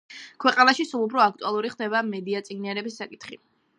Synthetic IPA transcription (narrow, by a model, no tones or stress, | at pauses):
kʰwɛqʼanaʃisulˠupʰɾɔak̚ʰt̪ʼualˠuɾiχd̪ɛbamɛd̪iat̪sʼiɡniaɾɛbisːakʼit̪ʰχḭ